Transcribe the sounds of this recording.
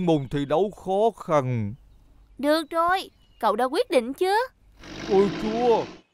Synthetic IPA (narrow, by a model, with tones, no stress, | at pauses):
ŋmu˨˩nt̪ʰi˨˩ɗə˨˦wxɔ˨˦xə˨˩n | ɗɨ˨˩ək̚zo˨˩j | kə̰˧˨wɗa̰ː˧˥kwi˦˥t̚ɗḭ˧˨ŋ̟t͡ɕɨ˨˦ə | ʔə˧˩jt͡ɕu˧ə